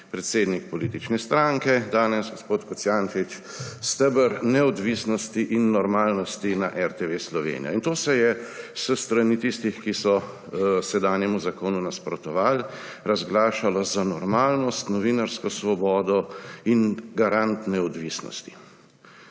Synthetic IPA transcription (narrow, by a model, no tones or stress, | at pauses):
pɾɛt̪seːd̪nik̚pɔlit̪it͡ʃnɛst̪ɾaŋkɛd̪aːnɛsɡospoːt̪kɔt̪sjant͡ʃit͡ʃ | st̪əbəɾnɛɔd̪ʋisnɔst̪iʔinːɔɾmaːlnɔst̪inaʔɛɾt̪eʋeslɔʋḛːnḭja̰int̪oːsɛjɛsəst̪ɾanit̪ist̪ixkisɔ | sɛd̪aːnjɛmuzakoːnunaspɾɔt̪ɔʋaːl | ɾazɡlaːʃalɔzanɔɾmaːlnɔst̪nɔʋinaɾskɔsʋɔbɔːd̪ɔinɡaɾant̪nɛɔd̪ʋisnɔ̰st̪i̥